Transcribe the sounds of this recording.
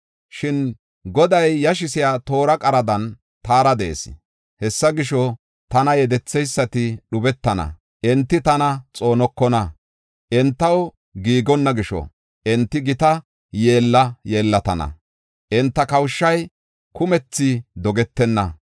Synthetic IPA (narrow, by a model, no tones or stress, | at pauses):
ʃɪn | ɡɔd̪ɐjːɐʃ̬ɪsɪjaːt̪o̞ːɾɐkʼɐɾɐd̪ɐn | t̪aːɾɐd̪ḛːsɪ̥̰ | hɛsːɐɡɪʃɔ | t̪ɐnɐjɛd̪ɛt͡sːɛjsːɐt̪ɪɗʊbɛt̪ːɐnɐ̰ | ʔɛnt̪ːɪt̪ɐnɐt͡sʼo̞ːnɔkːɔnɐ | ʔɛnt̪ːɐw | ɡiːɡɔnːɐɡɪʃɔ̰ | ʔɛnt̪ːɪɡɪt̪ɐ | je̞ːlːɐje̞ːlːɐt̪ɐnɐ̰ | ʔɪnt̪ːɐkɐwʃːɐj | kʊmɛt͡sːɪd̪ɔɡɛt̪ːɛnːɐ̰